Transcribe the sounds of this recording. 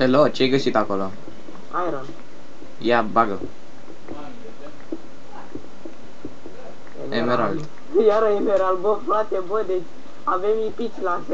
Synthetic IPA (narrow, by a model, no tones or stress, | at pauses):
helot͡ʃejɡəsit̪akolo | ajɾan | jabaɡə | emeɾald̪ | jaɾəemeɾalbofɾwat̪ebojd̪et͡ʃ | avemipit͡ʃʲlas